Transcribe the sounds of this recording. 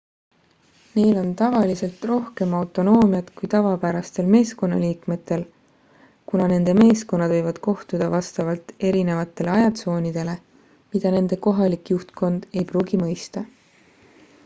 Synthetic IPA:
ne̞jlo̞nt̪ɑvɑlise̞lt̪ro̞hke̞mɑwt̪ˑo̞no̞ːmijɑd̪̥kujt̪ɑvɑpæɾɑst̪e̞lme̞ːsko̞nːɑ̰liːkme̞t̪ːˑe̞l | kunɑne̞nd̪̥e̞me̞ːsko̞nːɑd̪vɤjvɑd̪̥ko̞ht̪ud̪̥ɑvɑst̪ɑvɑlt̪e̞ɾine̞vɑt̪ːˑe̞le̞ɑjɑt̪so̞ːnid̪̥e̞le̞ | mid̪̥ɑne̞nd̪̥e̞ko̞ɦɑlikjuht̪ko̞nd̪̥e̞jpruːɡimɤjst̪ɑ

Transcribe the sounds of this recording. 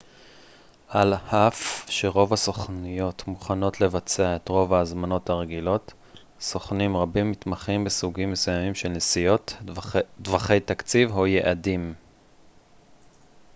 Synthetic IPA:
alhafʃe̞ʁo̞vaso̞χnijo̞tmuχano̞tle̞vat͡seae̞t̪ʁo̞vaːzmano̞thaʁeɡilo̞t | so̞χnimʁabimːit̪maχimbesuɡimːe̞sujamimʃe̞lnesijo̞t | dvaχe̞jt̪akt͡sivɦujeʔadim

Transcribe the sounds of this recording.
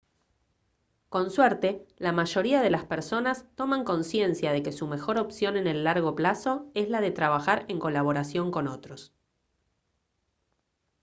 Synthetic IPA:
ko̞nsweɾt̪e̞lamaʒo̞ɾiaðe̞laspeɾso̞nast̪o̞maŋko̞nsje̞nsjaðe̞ke̞sume̞xo̞ɾo̞psjo̞ne̞ne̞lːaɾɣo̞plaso̞e̞slaðe̞t̪ɾaβaxaɾe̞ŋko̞laβ̞o̞ɾasjo̞ŋko̞no̞t̪ɾo̞s

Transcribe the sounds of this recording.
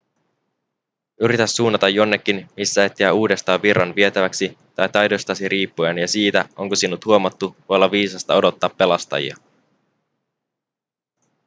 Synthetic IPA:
yɾit̪æsːuːnːɑt̪ɑjo̞nːe̞kːinmisːæet̪ːeæuːde̞st̪ɑːʋːirːɑnʋie̞t̪æʋæksi | t̪ɑjt̪ɑjdo̞jst̪ɑsiɾʔiːpːuænjɑsiːt̪æʔo̞ŋkosinːut̪huomɑt̪ːuʋojolːɑʋiːsɑst̪ɑo̞do̞t̪ːɑːpːe̞lɑst̪ɑ̰jḭɑ̰

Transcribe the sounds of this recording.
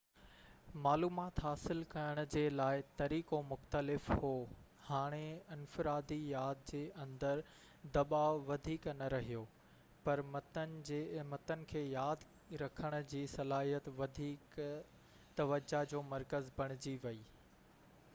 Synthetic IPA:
maːluːmaːt̪ɦaːsɪlkɐjəɽ̃ʊ̆d͡ʑeːlaːɪt̪ɐɾiːkomʊxt̪əlɪfhoː | haːɽ̃eɪnfɪɾaːd̪ijaːd̪̚d͡ʑeːʔɐ̃nd̪əɾ | d̪ɐɓaːʊʋɐd̪ʱiːknɐɾɐɦijoː | pɐɾmɐt̪ənɪ̆d͡ʑeːɪmət̪ənɪ̆kʰeːjaːd̪ | ɾɐkʰəɽ̃ʊ̆d͡ʑiːsɐlaːɦijət̪ʋɐd̪ʱiːk | t̪ɐʋəd͡ʑad͡ʑoːmɐɾkəzbɐɽ̃ɪd͡ʑiʋɐiː

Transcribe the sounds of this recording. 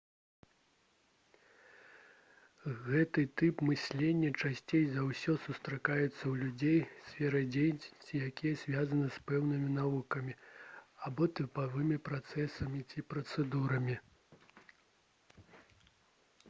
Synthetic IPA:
ɣɛt̪ɨt̪ɨpmɨsʲlʲenʲːɐt͡ʂasʲt͡sʲejzawsʲɔsust̪ɾakajɛt̪sːɐwlʲud͡zʲejsʲfʲɛɾɐd͡zʲejt͡sʲijakʲijɐzʲvʲazɐnɐspɛwnɨmʲinavukɐmʲiabɔt̪ɨpavɨmʲipɾat̪sɛsɐmʲit͡sʲipɾɐt̪sɛd̪uɾɐmʲi

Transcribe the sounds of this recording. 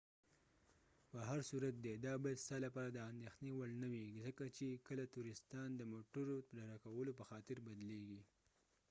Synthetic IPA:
pəɦaɾsuɾat̪̚d̪ed̪ɑbɑjad̪sɑlapɑɾad̪əand̪exnewalnəwiɡizəkat͡ʃekəlat̪uɾɪst̪ɑnd̪əmoʈəɾot̪ɾaɾakawəlopəxɑt̪ɪɾbad̪leɡi

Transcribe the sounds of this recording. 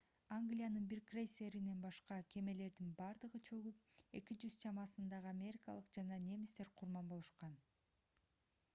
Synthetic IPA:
aŋɡlʲijanɯnbiɾkrʲejsʲe̞ɾine̞nbɑʃqɑkʲʰe̞me̞le̞ɾd̪inbɑɾd̪ɯʁɯt͡ʃʰø̞ɡyp̚e̞kʲid͡ʒyz̥t͡ʃɑmɑsɯnd̪ɑʁɯamʲe̞ɾʲikɑ̰lˠɯqd͡ʒɑnɑnʲe̞mist̪e̞ɾqʰuɾmɑnbo̞lˠuʃqɑn

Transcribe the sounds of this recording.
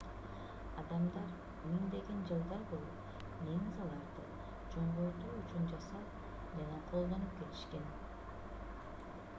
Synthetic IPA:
ɑd̪ɑmd̪ɑɾ | ynynd̪e̞ɡe̞nd͡ʒɯlˠd̪ɑɾbo̞lˠup | neŋizɑlˠɑɾd̪ɯ | d͡ʒo̞ɴd̪oɾd̪uːyt͡ʃund͡ʒɑsɑ | d͡ʒɑnɑt̪ʰo̞lˠd̪o̞nupke̞t̪i̥ʃke̞n

